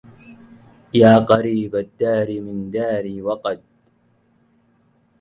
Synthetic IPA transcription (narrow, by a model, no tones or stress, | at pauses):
jaːqɑɾiːbad̪ːaːɾimɪnd̪aːɾiːwɑqɑd̪̚